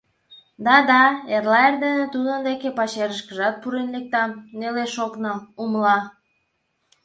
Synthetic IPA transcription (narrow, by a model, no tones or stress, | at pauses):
d̪ɑd̪ɑerlɑerd̪enĕt̪ud̪ənd̪ekepɑɕeɾəʃkəʒɑt̪̚puɾenlek̚t̪ɑmneleʃoknoumlɑ